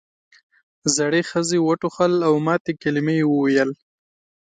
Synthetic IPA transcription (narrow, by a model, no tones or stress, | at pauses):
zaɽexəzewəʈuxəlawmɑt̪ekalɪmejewəwajəl